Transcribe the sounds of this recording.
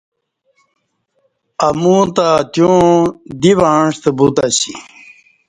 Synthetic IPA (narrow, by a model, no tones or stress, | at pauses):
ɐmuːt̪at̪jõd̪iʋaːɳʂt̪ebut̪aɕḭ